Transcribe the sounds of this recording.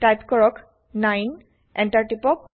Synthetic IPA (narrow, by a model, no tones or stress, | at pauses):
tajpkɔɹɔk | najn | ɛntaɹʈipɔk̚